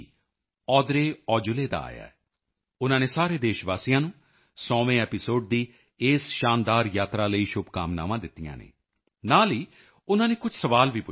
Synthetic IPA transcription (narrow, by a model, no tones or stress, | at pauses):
ɔːd̪ɾeːɔːd͡ʒʊleːd̪a̰ːa̰ːja̰ːɛ | ʊnãːneːsaːɾeːd̪eːʃʋaːsijãːnũː | sɔːʋẽːɛːpɪsoːɖ̚d̪iː | ɪːsʃaːnd̪aːɾjaːt̪ɾaːləiːʃʊbkaːmna̰ːʋãːd̪ɪt̪ːijã̰ːnḛː | naːliː | ʊnãːneːkʊt͡ʃʰsəʋaːlʋiːpʊ